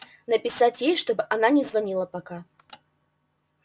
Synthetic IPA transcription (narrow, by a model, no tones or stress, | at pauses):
nɐpʲisat͡sʲjejʂt̪ɔbɨʔananʲɛzvanʲilˠɐpaka